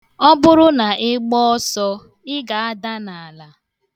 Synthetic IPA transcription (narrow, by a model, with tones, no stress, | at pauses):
ɔ˦bʊ˦ɾʊ˦na˨ʔɪ˦ɡ͡bɔ˦ɔ˦sɔ˦ | ɪ˦ɡa˨a˦da˦na˨a˨la˨